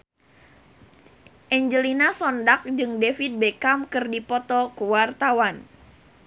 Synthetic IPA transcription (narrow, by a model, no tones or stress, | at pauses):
ʔɛɲd͡ʒəlinasɔndak̚d͡ʒɨŋdefit̪̚bekamkɨrdipɔt̪ɔkuwart̪awan